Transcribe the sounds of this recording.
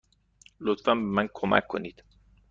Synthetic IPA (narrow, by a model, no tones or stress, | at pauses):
lot̪fanbemænkʰomæ̰kʰːonit̪